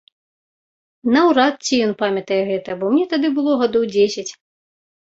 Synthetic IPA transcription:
nɐwɾat̪̚t͡sʲijɔnpamʲɐt̪ɐjɛɣɛt̪ɐbɔmʲnʲɛt̪ad̪ɨbɨlˠɔɣad̪ɔwd͡zʲesʲɐt͡sʲ

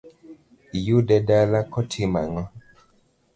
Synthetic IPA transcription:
ijudɛdalakʰɔtʰima̰ŋɔ

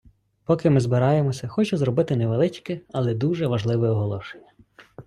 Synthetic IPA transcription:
pɔkɪmɪzbɪɾɑjemɔsʲɐxɔt͡ʃɛzɾɔbɪt̪ɪnɛʋelˠɪt͡ʃkɪɐlˠɛd̪uʒɛʋɐʒlˠɪʋɛɔɦɔlˠɔʃenʲːɐ

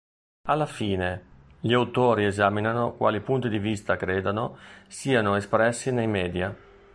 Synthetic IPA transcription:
alːafiːne | ʎiawt̪oːɾiezaːminanokwa̰ːlipunt̪id̪ivist̪akɾeːd̪anosiːanoespɾɛsːinejmɛːd̪ja

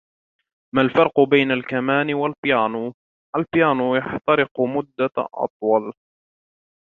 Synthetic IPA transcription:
malfɑɾˤqʊbajnalkamaːnɪwalbɪjaːnuː | ʔalbɪjaːnujaħt̪ɑɾɪqʊmʊd̪ːaʔɑ̰t̪ˤwɑl

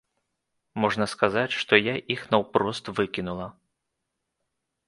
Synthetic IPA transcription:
mɔʐnɐskazat͡sʲʂt̪ɔjaʔixnɐwpɾɔst̪vɨkʲinulˠɐ

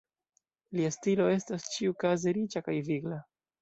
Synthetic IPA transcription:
liastilo̞e̞stast͡ʃiukazeɾit͡ʃakajviɡla

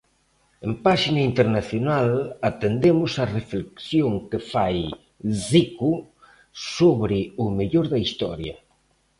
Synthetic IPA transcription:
empaʃinaint̪eɾnaθjonalat̪end̪emʊsarefleksjoŋkefaj | ziku | soβɾɪʊmeʎoɾðɐist̪ɔ̰ɾjɐ̰

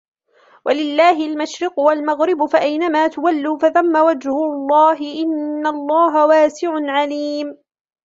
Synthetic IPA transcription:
wʔalɪlːaːɦɪlmaʃɾɪqʊwalmaɣɾɪbʊfaʔajnamaːt̪ʊwalːuːfaðamːawad͡ʒhʊlˤːɑːɦɪʔɪnːalˤːɑːɦawaːsɪʕʊnʕaliːm

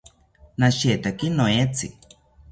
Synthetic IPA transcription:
naʃet̪akinoet͡sḭ

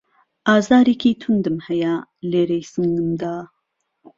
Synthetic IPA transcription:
ʔaːzaːɾeːkʰiːt̪ʰund̪ɨmhɛjaleːɾejsɨŋɡɨmd̪aː

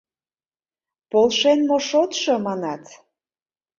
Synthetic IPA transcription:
polʃenmoʃot̪ʃɤmɑnɑt̪

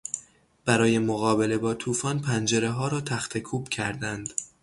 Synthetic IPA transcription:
b̥æɾɒːje̞moɣɒːbe̞le̞bɒːt̪ʰuːfɒːnpʰænd͡ʒe̞ɾe̞ɦɒːɾɒːt̪ʰæxt̪ʰe̞kʰuːbcʰæɾd̪ænd̪̥

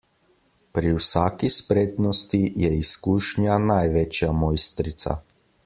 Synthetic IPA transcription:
pɾiwsaːkispɾeːt̪nɔst̪ijɛiskuːʃnjanajʋet͡ʃjamɔːjst̪ɾit̪sa̰

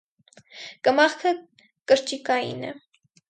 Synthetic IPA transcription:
kəmɑχkʰə | kəɾt͡ʃikɑjḭnɛ̰

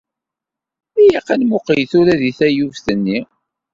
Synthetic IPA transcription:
ijiqːanmʊqijθuɾæðiθæjuvθənːi

